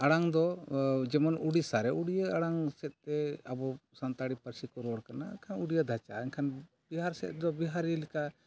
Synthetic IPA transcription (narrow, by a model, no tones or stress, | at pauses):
aɽaŋd̪ɔd͡ʒɛmɔnuɽisaɾɛʔuɽijəaɽaŋsɛt̪̚ˀt̪ɛabɔsant̪aɽipəɾsikɔɾɔɽkanakʰanuɽijəd̪ʱat͡ʃaɛɲkʰan | biɦaɾsɛ̰t̪̚ˀd̪ɔbiɦaɾəlika